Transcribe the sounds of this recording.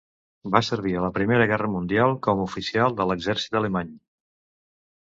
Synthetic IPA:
basəɾβ̞iələpɾimeɾəɣɛrəmund̪ialˠkɔməufisialˠd̪ələɡzɛɾsit̪ələmaɲ

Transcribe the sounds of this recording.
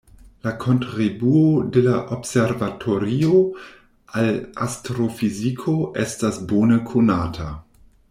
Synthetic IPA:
lakʰontɾibuodelaʔobseɾvatʰoɾio | alastɾofizikʰoʔestasboːnəkʰunaːtʰa

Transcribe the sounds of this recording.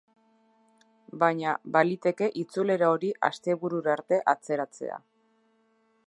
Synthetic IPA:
baɲabalit̪e̞ke̞ʔit͡sule̞ɾaoɾiʔa̰st̪e̞βuɾuɾaɾt̪e̞ʔat͡se̞ɾat͡se̞̰a̰

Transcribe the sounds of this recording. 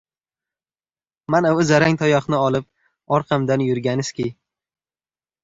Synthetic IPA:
manaʊzaɾaŋt̪ʰɒjɒχnɪɒlˠɪp̚ | ɒɾqʰɑmd̪anjʊɾɡʲanɪskʲej

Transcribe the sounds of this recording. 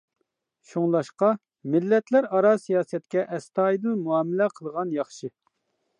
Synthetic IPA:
ʃoŋlˠɑʃqɑ | mɪlːɛt̪ʰlæɾɑɾɑsijɑːsɛt̪̚kʲɛʔɛst̪ɑːid̪ɨmuɑːmɪlɛqʰəlˠʁɑnjɑχʃɨ

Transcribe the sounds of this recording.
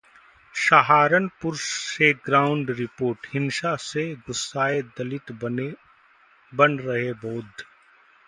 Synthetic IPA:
ʃaɦaːɾənpʊɾʃseːɡɾaːʊ̃ɳɖɾɪpoːɾʈhɪnʃaseɡʊsːaːed̪ɐlɪt̪ | bɐnɾɐɦeboːd̪ʱ

